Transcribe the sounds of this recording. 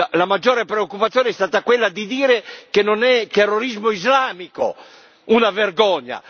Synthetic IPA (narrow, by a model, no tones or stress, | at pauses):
alamad͡ʒːoːɾepɾeokːupat̪sːjoːneɛst̪aːt̪akwelːad̪id̪iːɾekenːonɛt̪erːoɾizmoizlaːmiko̰ | unaverɡɔɲːa̰